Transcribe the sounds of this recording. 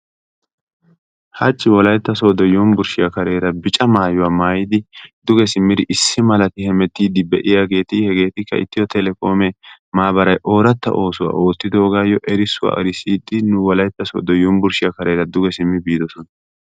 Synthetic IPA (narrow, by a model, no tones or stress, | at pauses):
hɐt͡ʃʼːɪwɔlɐjt̪ːɐsoːd̪ɔjumbʊɾʃɪjɐkɐɾe̞ːɾɐbɪt͡ʃʼɐmaːjʊwaːmaːjɪd̪ɪd̪ʊɡɛsɪmːɪd̪ɪʔɪsːɪmɐlɐt̪ɪhɛmɛt̪ːiːd̪ɪbɛʔɪjaɡe̞ːt̪ɪhɛɡe̞ːt̪ɪkːɐ̰ɪ̰t̪ːɪjɔt̪ɛlɛko̞ːmɛ | maːbɐɾɐjʔo̞ːɾɐt̪ːɐ̰ʔo̞ːsʊwa̰ːʔo̞ːt̪ːɪd̪o̞ːɡaːjɔʔɛɾɪsːʊwa̰ːɐ̰ɾɪsiːd̪ːɪnʊwɔlɐjt̪ːɐso̰ːd̪ɔjumbʊɾʃɪjɐkɐɾeːɾɐd̪ʊɡɛsɪmːɪbiːd̪ɔsɔnɐ